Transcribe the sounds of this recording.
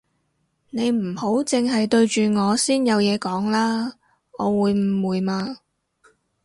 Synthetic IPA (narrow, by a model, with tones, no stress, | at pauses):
ne˨˧jm̩˨˩ho˨˥wt͡sɪ˨˧ŋɦɐ˨jt̪ɵ˧ɥt͡ʃyː˨ŋɔː˨˧siː˥njɐ˨˧wjɛː˨˧kɔː˨˥ŋlaː˥ | ɔː˨˧wuː˨˧jm̩˨˩wuː˨˧jmaː˧